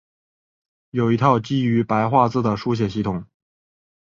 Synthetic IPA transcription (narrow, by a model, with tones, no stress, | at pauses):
jo˨˩ʊi˧˥t̪ʰɑ˥˧ʊt͡ɕi˥y˧˥pa˧˥ɪxwa˥˧t͡sɹ̩˥˩d̪ə˩ʂu˥˧ɕ̬jɛ˨˩ɕi˥˩t̪ʰʊ˨˩˦ŋ